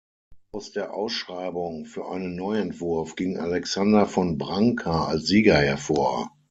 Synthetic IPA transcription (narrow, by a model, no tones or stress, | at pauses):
ʔʔaʊsd̥eːɐʔa̰ʊsʃʁ̥aɪbʊŋfyːɐʔaɪnənːɔʏɛntv̥ʊɐfɡ̥ɪŋʔa̰lɛksandɐfɔnbʁaŋkʰaa̰lsz̥iːɡɐhɛɐfoːɐ